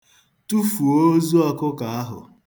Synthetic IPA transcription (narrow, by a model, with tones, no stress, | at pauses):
tu˦fu˨o˦zu˦ɔ˦kʊ˦ka˨a˦ɦʊ̰˨